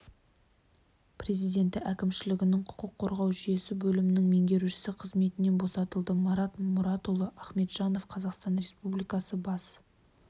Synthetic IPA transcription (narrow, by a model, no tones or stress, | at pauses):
pre̞zijd̪e̞nt̪ɪʔækʲɪmʃɪlɪɡʲɪnɪŋqʰʊ̥qəqʰːo̞ɾʁɑwʒʏje̞sɪbɵlɪmɪnɪŋme̞ŋɡʲe̞ɾuʃɪ̥sɪqʰəzme̞t̪ɪne̞nbo̞sɑt̪əlˠd̪əmɑɾɑt̪mʊɾɑt̪olˠəʔɑχme̞t̪ʒ̥ɑno̞fqʰɑzɑqst̪ɑnɾe̞spublijkɑsəbɑs